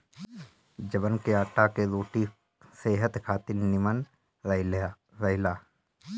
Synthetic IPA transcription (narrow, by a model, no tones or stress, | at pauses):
d͡ʒəbənkeaːʈːakeɾoːʈi | seːɦət̪kʰaːt̪ɪlnɪmən | ɾ | ɾɐɪlaː